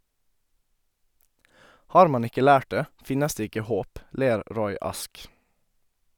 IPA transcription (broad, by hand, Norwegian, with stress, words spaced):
ˈhɑːɾ ˈmɑn ˈɪkə ˈlæːʈ ˈdeː ˈfɪnəs ˈdeː ˈɪkə ˈhoːp ˈleːɾ ˈɾɔʏ ˈɑsk